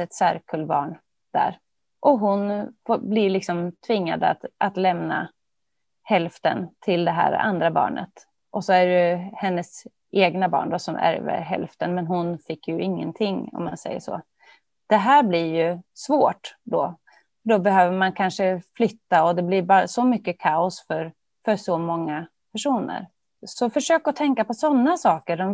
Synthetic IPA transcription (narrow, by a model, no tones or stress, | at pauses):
ɛt̪sæɾkʰɵlbɑ̰ːɳ | d̪̥æ̰ɾ | ʔɔɦʊnfoblɪɭɪksɔmt̪ʰvɪŋːa̰d̪əat̪ʔat̪lɛmna̰ | hɛlft̪ə̰nt̪ʰɪld̪ɛɦæ̰ːɾ̰a̰nd̪ɾabɑ̰ːɳə̰t̪ | ʔɔsɔæɖɛhɛnːəs | ʔeːɡnabɑ̰ːɳɖɔsɔmʔæ̰ɾvə̰ɾɦɛ̰lft̪ənmɛnɦʊnfɪkːjɵʔɪŋːə̰nt̪ʰɪŋːɔ̰mːansɛ̰jːə̰ʂo̰ː | d̪̥ɛɦæːɾblɪɾjɵsvoːʈd̪ɔ | fœɖɔbɛɦøːvəmankʰanʂəflʏt̪ːaɔd̪ɛblɪɾbɑːɾasɔmʏkːəkʰaʊsfœɾ | fœsɔmɔŋːa | pʰæʂuːnə̰ɾ | sɔfœʂøːkɔt̪ʰɛŋkapɔsɔnːasɑːkəɖɔm